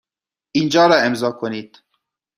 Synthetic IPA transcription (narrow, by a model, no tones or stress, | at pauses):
ind͡ʒɑːɾɑːemzɑːkʰoniːt̪